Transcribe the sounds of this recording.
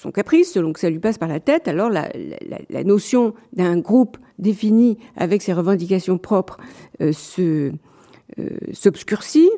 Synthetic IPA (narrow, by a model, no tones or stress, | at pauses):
sɔ̰̃kapχisːəlɔ̃kə̥salɥipaspaʁlat̪ɛt̪alɔʁla̰la̰la̰la̰nosjɔ̃d̪ɛ̃ɡʁup | d̪efinia̰vɛkseʁəvɑ̃d̪ikasjɔ̃pχɔpχøsə | sɔbskʲyʁsi